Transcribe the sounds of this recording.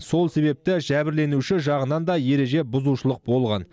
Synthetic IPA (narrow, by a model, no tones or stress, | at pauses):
so̞lˠse̞βe̞p̚t̪ɪʒæbɪɾle̞nuʃɪʒɑʁənɑnd̪ɑje̞ɾe̞ʒe̞bʊzuʃəlˠəq̚bo̞lˠʁɑ̰n